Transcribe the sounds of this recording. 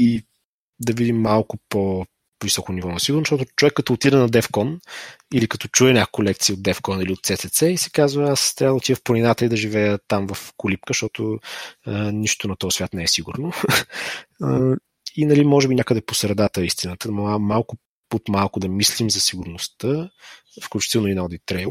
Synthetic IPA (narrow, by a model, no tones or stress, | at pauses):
i | d̪ɐvid̪imːalˠkʊpo | visɔkʊnivɔnɐsiɡʊɾnoʃt̪ɔt̪ʊt͡ʃovɛkːɐt̪ɔːt̪iɾənɐd̪ɛfkɔnilikɐt̪ɔt͡ʃuɛɲʲakkolɛk̚t̪siod̪ɛfkɔniliot̪t̪sɛt̪ɛt̪sɛisɛ̥kazvəast̪ɾavəd̪ot̪ivəfponʲinat̪əid̪ɐʒivɛjət̪amvɐfkʊlip̚kəʃt̪ɔt̪ʊ | niʃt̪ʊnɐt̪ɔsvʲat̪nɛɛsiɡʊɾno | inɐlimɔʒɛbinʲjakəd̪ɛposɾɛd̪at̪əist̪inət̪əamalˠkʊ | ot̪malˠkʊd̪ɐmislimzɐsiɡʊɾnʊst̪ə | fklʲut͡ʃi̥t̪ɛlˠnoinɔd̪it̪ɾɛjˠ